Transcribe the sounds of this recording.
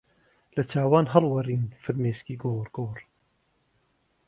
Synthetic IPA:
lɐt̪ʰaːwaːnɦɐlwɐriːnfɨɾmeːskiːɡoːɾɡ̥oːɾ

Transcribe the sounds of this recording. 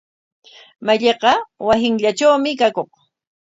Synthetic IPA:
maʎeqɑwasɪŋʎaʈ͡ʂawmɪkakoχ

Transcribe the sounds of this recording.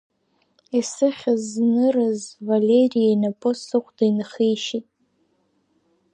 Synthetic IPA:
isɨχʲaznɨɾazvalʲerijajnapʼosɨχʷʰdajnχijʃitʼ

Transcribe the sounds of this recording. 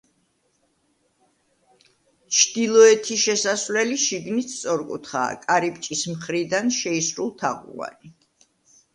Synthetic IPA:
t͡ʃʰd̪̥ilˠɔɛt̪ʰiʃɛsasvlɛliʃiɡnist̪sʼɔɾkʼṵt̪ʰχa̰ːkʼaɾipʼt͡ʃʼismχɾid̪anʃɛisɾulˠt̪ʰaʁṵa̰ni

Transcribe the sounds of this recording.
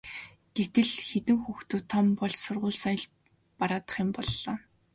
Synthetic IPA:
ɡ̥et̪ɘ̆ɮxet̪ɘ̆ŋxuxt̪uːt̪ʰːɔmpɔɮsʊrʁʊːɮsaj̆ɮ | paɾaːt̪ə̥̆χjɪ̆mpɔɮːɔː

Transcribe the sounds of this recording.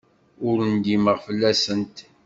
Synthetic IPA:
ʊɾənd̪iməʁfəlːæsənt̪

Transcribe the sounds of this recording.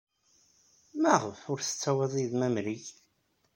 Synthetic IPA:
mæʁəfʊɾθə̥t͡sːæwæðˤiðmæmɾiç

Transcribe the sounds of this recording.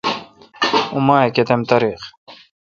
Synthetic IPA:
umaːeket̪emt̪ɐɾix

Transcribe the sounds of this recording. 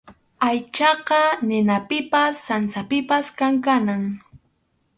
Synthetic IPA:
ajt͡ʃɑqɑnɪnapɪpasːansapɪpaskaŋkanaŋ

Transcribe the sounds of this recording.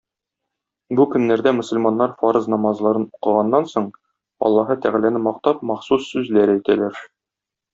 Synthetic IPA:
bukɵ̆nːæɾd̪æmɵ̆sɵ̆lmɑnːɑɾfɑɾɤznɒmɑzlˠɑɾɤnuqɤ̆ʁɑnːɑnsoɴ | ɒ̰lˠːɑɦɤt̪æʁælænɘmɒq̚t̪ɑp̚mɑχsusːʉzlæɾɘæjt̪ælæɾ

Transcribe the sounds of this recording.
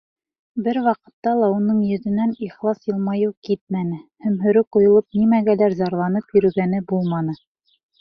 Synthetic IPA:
bɘɾwɑqɤ̆t̪ːɑlˠɑunɤɴjɵ̆ðɘ̆næniχlˠɑsjɤ̆lˠmɑjɤwkit̪̚mænɘhæmɦɵ̆ɾɵkqŭjŏlˠɤp̚nimæɡælæɾzɑɾlˠɑnɤpjɵ̆ɾɵ̆ɡænɘbulˠmɑnɤ

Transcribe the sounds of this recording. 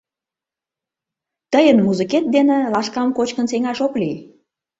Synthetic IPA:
t̪əjənmuzəket̪̚d̪enĕlɑʃkɑmkot͡ɕkənseŋɑʃoklij

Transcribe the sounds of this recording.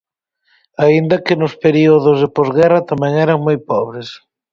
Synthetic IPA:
aind̪ɐkɪnʊspeɾiʊðʊzðeɪpozɣɛrɐt̪amɛŋɛɾɐŋmojpɔβɾɪs

